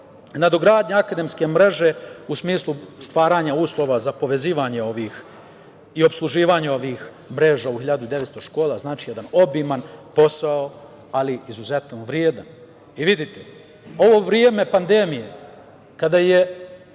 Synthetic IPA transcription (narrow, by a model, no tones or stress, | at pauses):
nad̪oɡɾaːd̪ɲaakad̪emske̞mɾe̞ʒe̞usmiːslˠust̪ʋaːɾaːɲauːslˠo̞ʋazapo̞ʋe̞ziːʋaɲeo̞ʋiːx | io̞pslˠuʒiːʋaɲeo̞ʋiːx | mɾe̞ʒaːuhiʎad̪ud̪e̞ʋet̪st̪oʃko̞ːlaznaːt͡ʃijed̪ano̞bimanpo̞sao | aliizuzet̪noʋɾjeːd̪an | iʋid̪it̪e | o̞ʋo̞ːʋɾjeːme̞pand̪e̞mije | kad̪aje